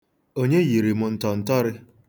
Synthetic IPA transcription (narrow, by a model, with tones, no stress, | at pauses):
o˦ɲe˦ji˨ɾi˨mʊ˨n̩˨tɔ˨n̩˨tɔ˦ɾɪ˦